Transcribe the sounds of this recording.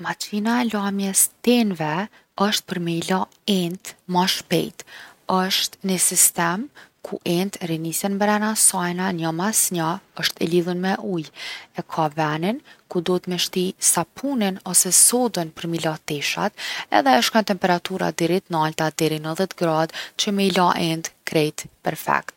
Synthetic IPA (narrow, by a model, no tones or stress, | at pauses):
mat͡ʃinaɛlamjɛst̪ɛnvɛ | əʃt̪̚pəɾmila | ɛnt̪maʃpɛ̰jt̪əʃt̪nəsist̪ɛmkʰṵʔɛnt̪rinisɛnmɛɾɛnasajnanəmasɲaəʃt̪ɛ̰liðunmɛʔujɛkʰavɛninkud̪ɔt̪mɛʃt̪isapʰuninɔsɛsɔd̪ənpəɾmilat̪ɛʃa̰t̪ɛ̰ðɛəʃkɔnt̪ɛmpɛɾat̪uɾa̰d̪ɛɾit̪nalt̪ad̪ɛɾinəðɛt̪əɡɾad̪t͡ɕəməilaʔɛnt̪kɾɛjt̪pɛɾfɛ̰kt̪